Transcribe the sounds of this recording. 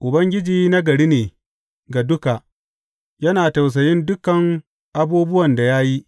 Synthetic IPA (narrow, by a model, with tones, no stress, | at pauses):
ʔʊ˨bɐ˦ŋɡʲɪ˦d͡ʒiː˦na˦ɡɐ˨ɽi˦neː˨ | ɡa˨dʊ˦ka˨ | jɐ˦naː˨ta˨ws̬ɐ˨jɪ˦ndʊ˦kːɐ˨ŋ | ʔa˦buː˦bʊ˦wɐ˨nda˨ja˦ji˦ʔ